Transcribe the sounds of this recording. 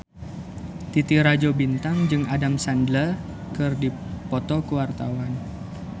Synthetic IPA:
t̪it̪iɾad͡ʒobint̪aŋd͡ʒɨŋadamsandlə | kɨrdipɔt̪ɔkəwart̪awan

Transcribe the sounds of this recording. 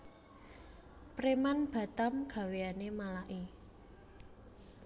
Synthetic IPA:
pɾemanb̥ä̤t̪amɡ̥a̤weanemalaʔi

